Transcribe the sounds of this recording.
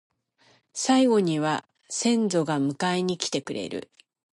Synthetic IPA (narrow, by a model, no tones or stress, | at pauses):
saiɡo̞ɲ̟iβa | sẽ̞nd͡zo̞ɡamɯ̟kaiɲ̟ikʲi̥t̪e̞kɯ̟ɾe̞̰ɾɯ̟̰